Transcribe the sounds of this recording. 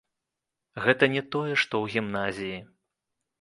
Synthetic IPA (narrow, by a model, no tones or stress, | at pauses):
ɣɛt̪ɐnʲɛt̪ɔjɛʂt̪ɔwɣʲimnazʲiji